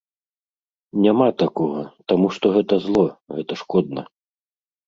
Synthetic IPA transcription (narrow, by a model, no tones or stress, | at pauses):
nʲamat̪akɔɣɐt̪amuʂt̪ɔɣɛt̪ɐzlˠɔɣɛt̪ɐʂkɔd̪̚nɐ̰